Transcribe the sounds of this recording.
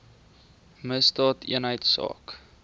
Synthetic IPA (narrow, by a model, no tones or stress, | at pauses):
məsdɑːtḭənɦəjtsɑ̰ːk